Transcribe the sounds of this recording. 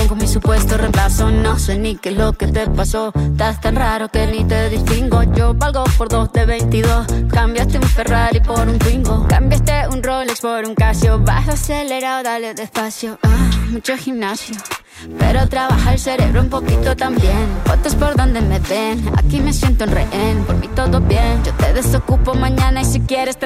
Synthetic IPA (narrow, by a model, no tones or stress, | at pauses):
ŋkomisupwest̪oremplasonoswenikelokeust̪epasot̪at̪anraɾokenit̪eðist̪iŋɡod͡ʒoβalɡopoɾd̪osd̪eβejnt̪iðoskambjast̪eunferalipoɾunfiŋɡokambjast̪eunrolekspoɾuŋkasjoβasaseleɾaoðaled̪espasjoamut͡ʃoximnasjo | pḛɾot̪ɾaβaxaelseɾḛβɾoumpokit̪ot̪ambjenkot̪ospoɾðond̪emeβena̰kimesjent̪ounreʔenpoɾmit̪oðobjend͡ʒot̪eðesokupomaɲanaisikjeɾest̪